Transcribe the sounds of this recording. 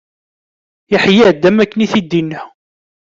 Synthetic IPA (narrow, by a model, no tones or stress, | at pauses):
iħjiʕd̪ːæmækːəniθid̪ːinːə